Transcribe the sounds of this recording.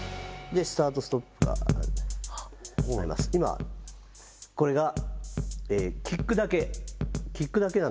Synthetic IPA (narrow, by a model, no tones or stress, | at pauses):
d̪esɨ̥t̪aːt̪o̞sɨ̥t̪opːɯ̟ɡa̰ | aɾḭmʔa̰sɨ̥ima̰ | ko̞ɾe̞ɡa | eːkʲikːɯ̟d̪ake̞kʲikːɯ̟d̪ake̞nã